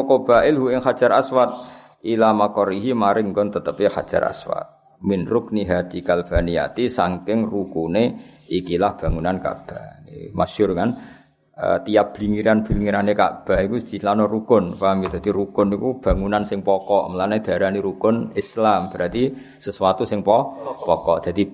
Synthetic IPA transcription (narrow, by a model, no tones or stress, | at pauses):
ɔkɔb̥aʔɪlɦuʔɪŋxad̥d͡ʒ̥aɾʔa̰swat̪̚ | ilamakɔɾiɦimaɾɪŋkɔnt̪ət̪əpixa̰d̥ʒ̥a̰ɾa̰swa̰t̪̚ | minɾʊk̚niɦat̪ikalb̥anija̰t̪isaŋkɪŋrukuneikilahb̥ä̤ŋunanka̰ʔb̥anḭmḁʒ̥ʊrŋan | ə̰t̪ijap̚b̥liŋiɾanb̥iliŋiɾaneka̰ʔb̥a̤ikusd̪̥i̤slanɔrukʊnpaŋɡid̪̥a̤d̪̥iɾukʊnikub̥a̤ŋunansɪŋpɔkɔʔməlanad̪̥a̤ɾaniɾukʊnɪslamb̥ɾat̪i | səswat̪usɪŋpɔpɔkɔʔd̪̥a̤d̪̥i